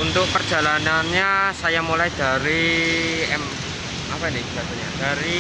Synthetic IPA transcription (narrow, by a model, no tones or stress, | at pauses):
unt̪ʊk̚pərd͡ʒ̥a̤lananɲasajamulajd̥a̤ɾi | ɛm | apainɪhb̥at̪aɲad̥aɾi